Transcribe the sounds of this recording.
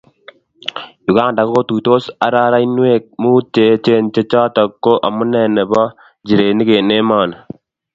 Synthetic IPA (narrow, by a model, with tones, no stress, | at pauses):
ju˨kaː˦da˨ko˦t̪u˨jt̪o˦sa˨ɾaː˦ɾa˦inu˦we˦k̚muː˦t͡ʃe˨t͡ʃe˦nt͡ʃe˦t͡ʃaː˦t̪ɐ˨kːo˦ʔɐ˨mu˦nɛː˨nɛ˨bɔ˦ | d͡ʒi˨ɾeː˨ni˦ke˨ne˦maː˨n